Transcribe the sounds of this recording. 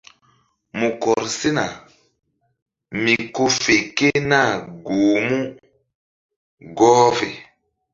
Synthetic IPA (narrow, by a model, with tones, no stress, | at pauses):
mu˨kɔ˨ɾsi˦na˨ | mi˨ko˦fe˨ke˦na˦˨ɡoː˨mu˦ | ɡɔː˦ve˨